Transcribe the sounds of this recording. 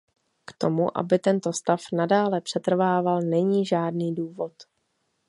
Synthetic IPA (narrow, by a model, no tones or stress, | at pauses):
kt̪o̞muʔa̰bɪt̪ɛnt̪o̞st̪afnadaːlɛpr̝̥ɛt̪r̩vaːvalnɛɲiːʒaːdniːduːvo̞t̪